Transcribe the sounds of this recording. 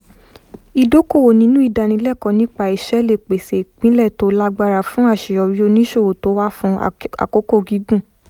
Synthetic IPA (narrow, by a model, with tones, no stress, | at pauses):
i˧do˨˦ko˦˨wo˨nĩ˨˦nũ˦i˦˨da˨nĩ˧˦lɛ˦˨kɔ̃˧nĩ˦k͡pa˧i˧˨ʃɛ˨˦le˦˨k͡pe˨se˨k͡pĩ˨˦lɛ˦˨to˨˦la˦ɡ͡ba˧ɾa˨fũ˨˦a˦˨ʃi˨jɔ˧˨wi˦o˧nĩ˦ʃo˦˨wo˨to˨˦wa˦fũ˧˦a̰˨ko˨˦ko˦˨ɡi˨˦ɡũ˦˨